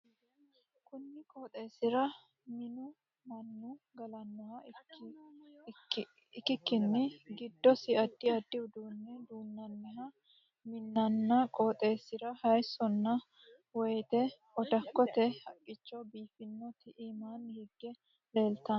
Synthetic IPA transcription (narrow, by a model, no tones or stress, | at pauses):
kʊnːɪkʼoːt̪ʼeːsɪɾɐ | mɪnʊ | mɐnːʊ | ɡɐlɐnːɔhɐ | ɪkːɪkːɪnːɪɡɪd̪ːɔsɪɐd̪ːɪɐd̪ːɪʊd̪uːnːɛd̪uːnːɐnːɛɦɐ | mɪnːɐnːɐkʼoːt̪ʼe̞ːsɪɾɐhɐjsɔnːɐ | wɛjt̪ɛ | ɔd̪ɐkːɔt̪ɛhɐkʼːɪt͡ʃːɔbiːfɪnːɔt̪ɪʔimaːnhɪɡːɛ | le̞ːlt̪ɐn